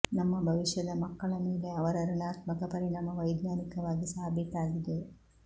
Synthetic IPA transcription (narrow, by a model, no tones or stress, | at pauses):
nɐmːɐbʱɐʋiʂjɐd̪ɐmɐkːɐɭɐmeːle̞ɐʋɐɾɐɾunaːt̪mɐkɐpɐɾinɐːmɐʋɐjd̪naːnikɐʋaːɡisaːbʱit̪aːɡid̪e